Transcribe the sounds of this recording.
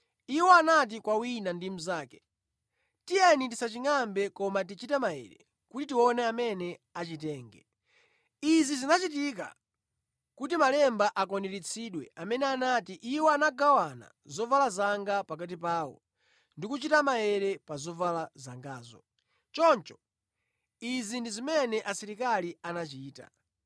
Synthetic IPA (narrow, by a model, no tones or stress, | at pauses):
iwɔanat̬ikwawinandim̩zaːkɛ̥ | tijɛnitisat͡ʃiŋambɛkɔmat̬it͡ʃitɛmajɛ̰ɾɛ | kutitiwɔnɛamɛnɛat͡ʃitɛːŋɡɛ̰ | izizinat͡ʃit̬ik̬a̰ | kutimalɛmbaʔakɔnɛɾit͡sʰiɗwɛamɛnɛanatiʔiwɔanaɡawana̰ | zɔvalazaŋɡapak̬at̬ipaːwɔ̰ | ndikut͡ʃitamajɛɾɛpazɔvalazaŋɡaːzɔ̰ | t͡ʃɔnt͡ʃɔ̥ | izindizimɛnɛʔasiɾikalianat͡ʃiːta̰